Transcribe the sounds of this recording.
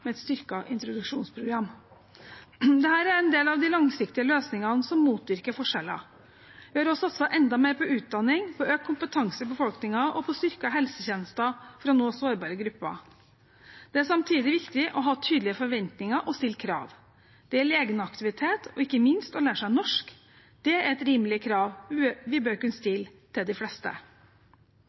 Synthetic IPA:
mɛɛt̪st̪ʏɾkɑʔɪnt̪ɾʊd̪ʉkʂuːnspʰɾʊɡɾɑmː | d̪ɛhæːɾæɾɛnd̪eːlɑʋd̪ɪlɑŋsɪkt̪ɪəløːsnɪŋɑnsɔmːuːt̪ʋɪɾkəɾfɔʂɛlːɑ̰ | ʋɪhɑɾɔsɑt̪sɑʔɛnd̪ɑmeːɾpɔʉːt̪̚d̪ɑnːɪŋpʰɔøːkkʰːʊmpət̪ʰɑŋsəbəfɔlknɪŋɑʔɔpʰɔst̪ʏɾkɑɦɛlsəçɛnəst̪ɑfɾɑnoːsoːɾbɑːɾəɡɾʉpːɑ̰ | d̪̥ɛæsɑmt̪ʰiːd̪ɪʋɪkt̪ɪʔɔɦɑːt̪ʰyːd̪lɪəfɔɾʋɛnt̪nɪŋɑʔɔst̪ɪlkʰɾɑ̰ːʋ | d̪̥ɛæɭeːɡənəɑkt̪ɪʋɪt̪ʰeːt̪ʰɔɪkːəmɪnst̪ɔlæːʂæɪnɔʂk | d̪̥ɛæɾɛt̪ɾiːmlɪəkʰɾɑːʋʋɪbøːɾkʉnst̪ɪlt̪ʰɪld̪ɪflɛst̪ə̰

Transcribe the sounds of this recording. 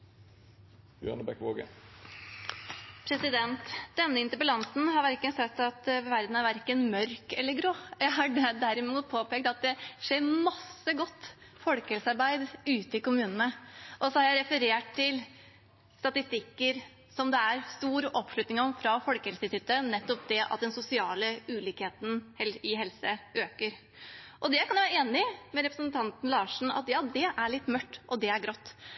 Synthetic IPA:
ø̰nəbɛkʋoːɡə̰ | pʰɾɛsɪd̪ɛnt̪d̪̥ɛnːəɪnt̪əɾbəlɑnsn̩ɦɑɾʋæɾkənsɛt̪ːɑt̪ʋæɾd̪n̩æɾʋæɾkənmœɾkɛlːəɾɡɾoːjæɪɦɑɖɛd̪æɾɪmuːt̪̚pʰoːpeːɡ̚t̪ɑt̪̚d̪ɛʂeːɾmɑsːəɡɔt̪ːfɔlkəhɛlsɑɾbæɪd̪ʉːt̪əɪkʊmʉːnənəʔɔsɔhɑɾjæɪɾɛfəɾeːʈ̚t̪ɪl | st̪ɑt̪ɪst̪ɪkːəɾ | sɔmd̪ɛæɾst̪uːɾɔpːʂɭʉt̪nɪŋɔmfɾɑfɔlkəhɛlsət̪ʰʏt̪ːənɛt̪ːɔp̚d̪ɛʔɑ̰t̪̚d̪ɛnsʊsɪɑːləʉːliːkheːt̪n̩hɛlɪɦɛlsəøːkəɾ | ʔɔd̪ɛkʰɑnjʋæɾəeːnɪmɛɾɛpɾəsnt̪ʰɑnt̪n̩lɑːʂɳ̩ɑ̰t̪jɑːd̪ɛʔæɭɪt̪ːmœʈːʔɔd̪ɛæɾɡɾɔt̪ː

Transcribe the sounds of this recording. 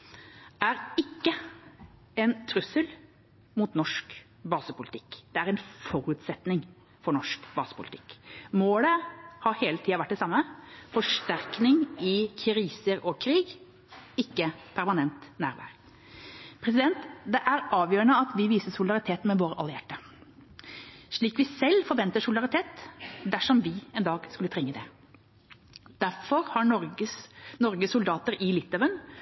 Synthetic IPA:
æɾɪkːə | ɛnt̪ʰɾʉsəl | muːt̪nɔʂk | bɑːsəpʊlɪt̪ʰɪ̥kːd̪̥ɛæɾɛnfɔɾʉːt̪sɛt̪nɪŋ | fɔɾɳɔʂkbɑːsə̥pʊlɪt̪ʰɪ̥kːmoːləhɑɾheːlət̪ʰiːɑʋæʈ̚ːd̪ɛsɑmːəfɔʂʈæɾknɪŋɪkʰɾiːsəɾɔkʰɾiːɡ | ɪkːəpʰæɾmɑnɛnt̪næ̰ːɾʋæ̰ːɾ | pʰɾɛsɪd̪ɛnt̪d̪ɛʔæɾɑːʋjøːɾəɳəɑt̪ʋɪʋiːsəsʊlɪd̪ɑɾɪt̪ʰeːt̪mɛʋoːɾəʔɑləjæʈːə | ʂɭiːkʋɪsɛlfɔɾʋɛnt̪əʂʊlɪd̪ɑɾɪt̪ʰeːt̪d̪æʂɔmʋɪɛnd̪ɑːɡskʉlət̪ʰɾɛŋːəd̪ɛ | d̪̥æɾfɔɾhɑɾɔəsnɔɾɡəsʊld̪ɑːt̪əɾɪlɪt̪ːɑʋən

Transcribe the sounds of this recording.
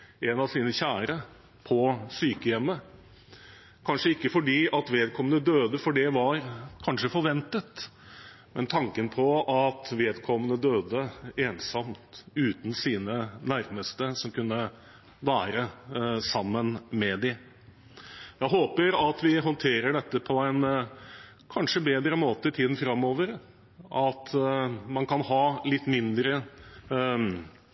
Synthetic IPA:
ɛnɑʋsiːnəçæːɾə | pʰɔsyːkəjɛmːə | kʰɑnʂəɪkːəfɔɖiːʔɑt̪ʋeːd̪̚kʰɔmənəd̪øːd̪əfɔɖɛʋɑɾkʰɑnʂəfɔɾʋɛnt̪ət̪ | mɛnt̪ʰɑŋkənpʰɔʔɑt̪ʋeːd̪kʰɔmːənəd̪øːd̪əeːnsɑmt̪ʉːt̪n̩siːnənæɾməst̪əsɔmkʰʉnːə | ʋæːɾəsɑmːənmɛd̪ɪ | jæɪɦoːpəɾɑt̪ʋɪɦɔnt̪ʰeːɾəɖɛt̪ːəpʰɔæɪn | kʰɑnʂəbeːd̪ɾəmoːt̪əɪt̪ʰiːd̪n̩fɾɑmːoːʋəɾ | ʔɑt̪mɑnkʰɑnhɑːlɪt̪ːmɪnd̪ɾə

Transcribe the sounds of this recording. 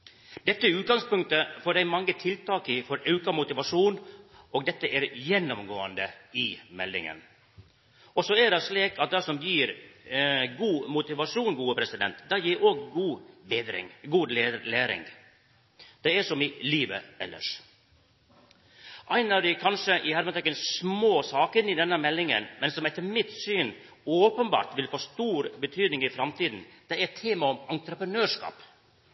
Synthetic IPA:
d̪̥ɛt̪ːəʉːt̪̚ɡɑŋspʉŋt̪əfɔɖdæɪmɑŋːət̪ʰɪlt̪ʰɑːkɪfɔɾɑʉkɑmʊt̪ɪʋɑʂuːn | oːɡ̚d̪ɛt̪ːəʔæɾjɛnːɔmɡoːənd̪əɪmɛlːɪ̰ŋə̰n | ɔsɔɛɖɛʂliːkɑt̪̚d̪ɛsɔmjiːɾ | ɡuːmʊt̪ɪʋɑʂuːnɡuːəpʰɾɛsɪd̪ɛ̰nt̪d̪ɑːjiːɾoːɡɡuːbeːd̪ɾɪ̰ŋɡuːd̪leːlæːɾɪ̰ŋ | d̪̥ɛæʂɔmɪliːʋə̰ɛ̰lːə̰ʂ | ʔæɪnɑd̪ɛkʰɑnʂəʔɪhæɾmət̪ɛkːənsmoːsɑːkəɪnɪd̪ɛnːəmɛlːɪŋə̰nmɛnsɔmɛt̪ʰːəmɪt̪syːn | oːpənbɑ̰ːɾt̪ʋɪlfoːst̪uːɾbət̪ʰyːd̪nɪŋɪfɾɑmt̪iːd̪n̩d̪̥ɛɛt̪ʰeːmɑɔmɑnt̪ɾəpɾənøːʂkɑ̰ːp

